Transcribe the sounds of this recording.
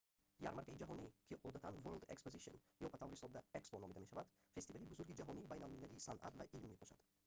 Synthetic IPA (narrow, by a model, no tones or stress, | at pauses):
ja̰ɾmaɾk̪ʰaid͡ʒaɦɔnikʲʰiʔɔd̪at̪anveɾld̪ekspoziʃo̰n | jɔpʰat̪ʰavɾisɔd̪aeksponɔmid̪ame̞ʃavad̪fe̞st̪ivalibuzuɾɡid͡ʒaɦɔniːbajnalmilaliːsanʔa̰t̪vaʔilmːebʰɔʃa̰d̪̥